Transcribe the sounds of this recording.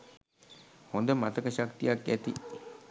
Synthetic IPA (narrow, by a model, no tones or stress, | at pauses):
hond̪əmat̪əkəʃakt̪ijakːæt̪ḭ